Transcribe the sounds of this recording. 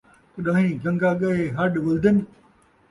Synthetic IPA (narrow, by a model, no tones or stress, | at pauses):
t̪ɐɗãːɦĩːɡɐ̃ŋɡaɠɐɦeɦɐɗʋɐld̪ɪnɪ̆